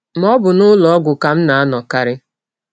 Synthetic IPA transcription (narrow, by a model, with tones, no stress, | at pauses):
m̩˦ɔ˦bʊ˨nʊ˦lɔ˨ɔ˦ɡʷʊ˨ka˨m̩˦na˨a˦nɔ˨ka˨ɾɪ˦